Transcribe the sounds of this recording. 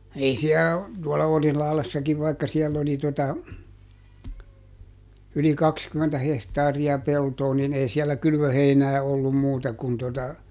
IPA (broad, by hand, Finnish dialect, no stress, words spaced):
ei siæ tuɔlɑ orihlɑhlesːɑkiʋ ʋɑikːɑ siɛlː oli totɑ yli kɑkskymːentæ hehtɑːriɑ peltoː nin ei siɛlːæ kylʋøheinæː olːum muːtɑ kun totɑ